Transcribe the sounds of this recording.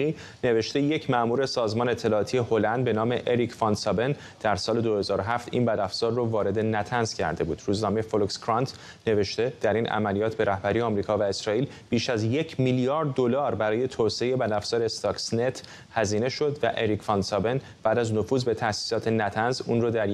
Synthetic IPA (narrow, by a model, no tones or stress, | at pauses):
i | ne̞ve̞ʃt̪e̞jecʰmæʔmuːɾe̞sɒːzmɒːneet̪ʰːe̞lɒːt̪ʰije̞ho̞lænd̪̚be̞nɒːme̞ʔeɾicʰfɒnsɒben | d̪̥æɾsɒːle̞d̪o̞he̞zɒːɾoɦæft̪ʰḭnbæd̪æfz̥ɒːrːovɒːɾe̞d̪e̞næt̪ʰænz̥cʰæ̰ɾd̪e̞bṵːd̪̥ɾuːznɒːmejefolukskɾɑnt̪ʰ | ne̞ve̞ʃt̪e̞d̪̥æɾinʔæ̰mælijɒːt̪ʰbe̞ɾæhbæɾiːjeɒːmɾiːkʰɒːvæe̞sɾɒːiːl | b̥iːʃæzje̞cʰmiljɒːɾd̪ːolɒːɾbæɾɒːje̞t̪ʰoseejebæd̪æfz̥ɒːɾest̪ɒːksnet̪ʰ | hæziːne̞ʃo̞d̪væ̰ʔeɾicfɒnsɒben | b̥æːd̪æzno̞fuːzbe̞t̪ʰæsi̥sɒːt̪ʰe̞næt̪ʰænzuːnroːd̪æɾ